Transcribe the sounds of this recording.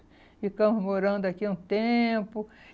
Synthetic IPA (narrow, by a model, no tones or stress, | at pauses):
ikɐ̃mʊzmoɾɐ̃nd̪ʊakiũt̪epʊ